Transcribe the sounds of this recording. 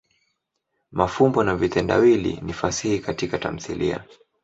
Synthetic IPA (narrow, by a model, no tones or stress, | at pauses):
mafumbɔnavitɛnda̰wilḭnifasihikatikata̰m̩θḭlia̰